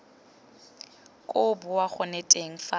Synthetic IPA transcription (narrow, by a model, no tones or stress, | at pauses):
kʼʊbʊwaχʊnɛtʼeŋ̩fa